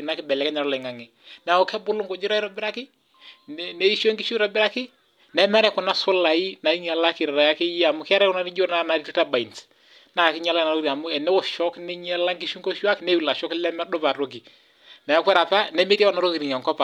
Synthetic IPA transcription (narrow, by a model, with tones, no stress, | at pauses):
na˨˦kɪ˦bɛ˨lɛ˨kɛ˦ɲa˨ɾɔ˦lɛ˨ŋa˨ŋɪ˨ | na˨ɔ˨kɛ˦bʊ˦lʊ˦ŋko˨d͡ʒɪ˦ɾa˦i˦ɾɔ˦bɪ˦ɾa˦kɪ˦ | nɛ˦i˦ʃo˦ŋkɪ˦ʃu˦ɾɔ˨bɪ˦ɾa˦kɪ˦ | nɛ˨˦mɛ˦ɾɛ˦kɔ˨na˦sʊ˦la˨i˦na˨i˦ɲa˨la˦kɪ˨ɾɛ˨ɾa˨ja˦kɪ˦ji˦a˨mʊ˨kɪ˦a˦ɾɛ˦kʊ˦na˦nɪ˦d͡ʒo˦na˦˨na˨ɾi˦ti˦ta˦ba˨i˨nt | na˨kɪ˦ɲa˦la˦˨na˨ɾo˦ɾi˨a˨mʊ˦ɛ˨nɛ˦wɔ˨ʃɔ˦knɪ˦ɲɛ˦la˦ŋkɪ˦ʃu˦ŋko˦ʃu˦a˦kɪ˨nɛ˦wu˨la˨ʃɔ˦klɛ˦mɛ˦dʊ˦pa˨ɾo˦ɡ̬i˨ | na˨ja˦kʷwɛ˦ɾa˨pa˦nɛ˦me˦ɾa˦wɔ˨na˨ɾo˦ki˨ɾi˨ɲa˨ŋkɔ˦pa˨